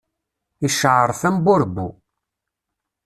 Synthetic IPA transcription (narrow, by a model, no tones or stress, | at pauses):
iʃəʕəɾˤθæmbʊɾbṵ